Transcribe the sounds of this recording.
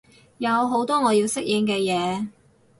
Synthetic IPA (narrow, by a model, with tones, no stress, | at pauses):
jɐ˨˧wɦo˨˥wt̪ɔː˥ŋɔː˨˧jiː˧wsɪ˥k̚jɪ˨˧ŋkɛː˧jɛː˨˧